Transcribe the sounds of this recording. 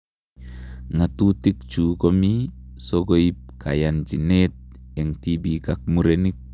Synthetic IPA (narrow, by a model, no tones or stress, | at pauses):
ŋat̪ut̪ik̚t͡ʃukomisoɡoip̚kʰa̰jand͡ʒinet̪̚ɛŋt̪ibikak̚muɾenik̚